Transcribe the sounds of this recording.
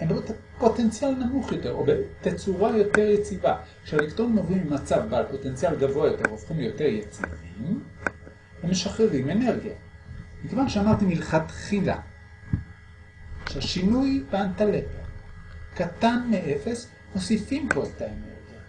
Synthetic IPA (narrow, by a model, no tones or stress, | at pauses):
embet̪a | po̞te̞nt͡sjalnamuχjo̞t̪e̞ʁobetet͡suʁajo̞te̞ʁjet͡sivakʃealekt̪onimovimbemat͡savbaalpo̞tent͡sijalɡavoajo̞t̪e̞ʁofχimjo̞te̞ʁjet͡sivim | vemeʃaχʁeʁime̞ne̞ʁɡijamikevanʃeamaʁt̪imilχat̪χila̰ | ʃeaʃinujbeantalepekat̪anmeʔe̞fes | hosifimpoetaene̞̰ʁɡija